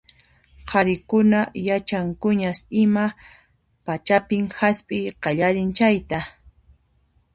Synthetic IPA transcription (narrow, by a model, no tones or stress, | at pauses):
qʰɑɾɪkʊnajat͡ʃaŋkʊɲasɪma | pat͡ʃapɪŋhaspʼɪjqɑʎaɾɪnt͡ʃajt̪a